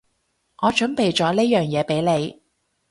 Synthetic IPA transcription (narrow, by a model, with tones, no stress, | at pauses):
ŋɔː˨˧t͡ʃɵ˨˥npe˨jt͡ʃɔː˨˧˥leː˥jœː˨ŋjɛː˨˧pe˨˥jle˨˧j